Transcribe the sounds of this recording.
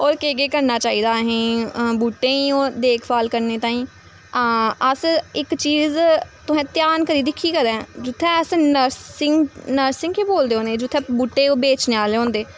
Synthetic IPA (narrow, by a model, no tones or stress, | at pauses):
ɔːɾkeːɡeːkəɾnaːt͡ʃaːiːd̪aːɦẽːbuːʈːẽːiːoːd̪eːkʰbaːlkəɾneːt̪ãːĩː | əsɪkt͡ʃiːzt̪ʊɦɛ̃ːt̪jaːnkəɾiːd̪ɪkʰːiːkəɾɛ̃ːd͡ʒʊt̪ʰːɛ̃ːəsnəɾsɪŋnəɾsɪ̃ŋɡkeːboːld̪eːoːneːd͡ʒʊt̪ʰːɛ̃ːbuːʈːeːoːbeːt͡ʃneːaːleːõːnd̪eː